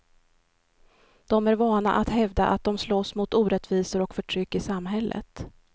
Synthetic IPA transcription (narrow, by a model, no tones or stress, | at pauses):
d̪̥ɔmæɾvɑːna̰ʔat̪hɛvd̪aʔa̰t̪̚d̪ɔmsloːsmʊt̪uːɾɛt̪viːsəɾɔkfœʈʰɾʏkːɪsamːɦɛlːʔə̰t̪